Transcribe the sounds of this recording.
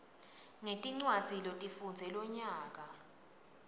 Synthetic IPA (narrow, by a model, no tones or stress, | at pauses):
ŋetʼiŋ͡ǀwad̥d͡z̥ʱilotʼifund͡zʱɛlɔɲaːk̬ʼa